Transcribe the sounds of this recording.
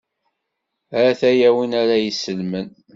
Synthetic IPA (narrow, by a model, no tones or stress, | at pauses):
æθæjæwinæɾæjəsːəlmən